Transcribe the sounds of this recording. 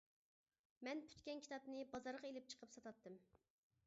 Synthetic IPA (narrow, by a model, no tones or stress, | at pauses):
mɛnpʰy̥t̪kʲɛnkʲʰi̥t̪ʰɑpnɨbɑzɑɾʁelɪp̚t͡ʃʰə̥qʰəpsɑt̪ɑt̪ːɨm